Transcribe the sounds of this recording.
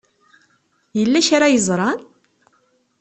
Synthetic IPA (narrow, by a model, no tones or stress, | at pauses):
jəlːæʃaɾajəzˤɾˤɑn